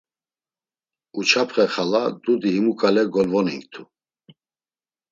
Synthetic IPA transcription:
ut͡ʃʰapʰχɛχalad̪ud̪iɦimukʼalɛɡɔlvɔnḭŋkt̪ʰu

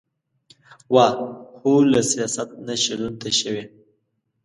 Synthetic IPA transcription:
waɑholasijɑsat̪̚naʃalunt̪aʃəwe

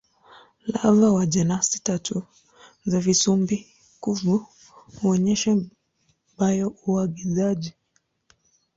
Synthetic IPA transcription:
lavawaʄɛnasi̥tatʰu | zavisumbi | kuvu | huɔɲɛʃɛ | bajɔuaɠizaʄi

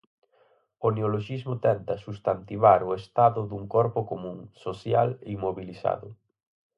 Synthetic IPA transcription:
oneoloʃizmʊt̪ɛnt̪ɐsust̪ant̪iβaɾoest̪aðʊðuŋkɔɾpʊkomũŋsosjalimoβilisa̰ðʊ

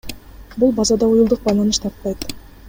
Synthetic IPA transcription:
bulˠbɑzɑd̪ɑujulˠd̪uq̚bɑjlˠɑnɯʃt̪ʰɑɾt̪ːɑjt̪

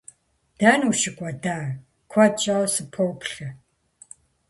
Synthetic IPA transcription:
d̥aːnuʃɪkʷʼɔdaː | kʷʰɔt͡ʃʼawsɨpʰowpɬɐ

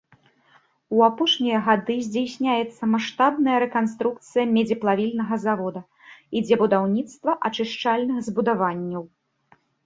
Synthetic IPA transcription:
uapɔʂnʲijɐɣad̪ɨzʲd͡zʲajsʲnʲajɛt̪sːɐmaʂt̪abnɐjɐɾɛkanst̪ɾuk̚t̪sɨjɐmʲɛd͡zʲiplˠavʲilʲnɐɣɐzavɔd̪ɐ | id͡zʲɛbud̪awnʲit̪st̪vɐʔat͡ʂɨʂt͡ʂalʲnɨɣzbud̪avanʲːɐw

